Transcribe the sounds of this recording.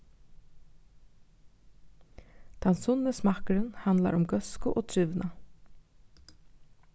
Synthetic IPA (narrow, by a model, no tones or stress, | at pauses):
d̪̥ɑnsʊnəsmɑkəɾənhɑnd̪la̰ɾʊmɡœskʊʔoːt̪ʰɾʏʋnʔa